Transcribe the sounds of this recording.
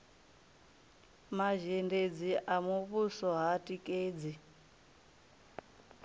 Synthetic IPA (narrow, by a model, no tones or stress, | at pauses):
maʒɛnded͡ziʔamuβusɔɦatʼikʼeːd͡zi